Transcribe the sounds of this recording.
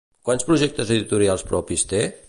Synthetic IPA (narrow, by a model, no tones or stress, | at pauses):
kwanspɾuʒɛk̚t̪əzəðit̪uɾialˠspɾɔpist̪e